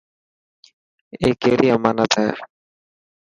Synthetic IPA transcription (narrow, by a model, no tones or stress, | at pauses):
ekeɾijamanat̪ʰa̰